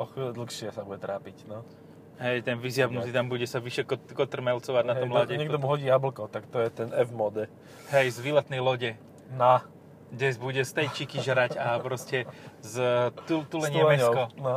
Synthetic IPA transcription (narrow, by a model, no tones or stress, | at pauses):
ɔxd̪l̩xʃɪɛsabuɟɛt̪ɾaːpicnɔ | ɦɛjt̪ɛnʋizjabnut̪it̪ambuɟɛsaʋiʃɛkkɔt̪r̩mɛlt͡sɔʋaɟnat̪ɔmlaɟɛɲɛɡd̪ɔmuɦɔɟiːjabl̩kɔt̪akt̪ɔjɛt̪ɛnɛvmɔd̪ɛ | ɦɛjzʋilat̪nɛjlɔɟɛ | na | ɡɟɛzbuɟɛst̪ɛjt͡ʃikiʒɾacapɾɔscɛzt̪ut̪ulɛɲɛmɛkɔna